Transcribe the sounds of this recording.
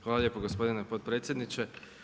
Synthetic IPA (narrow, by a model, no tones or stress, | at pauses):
xʋaːlaʎje̞ːpoɡospo̞d̪inepot̪̚pɾet̪sʲje̞d̪nit͡ʃe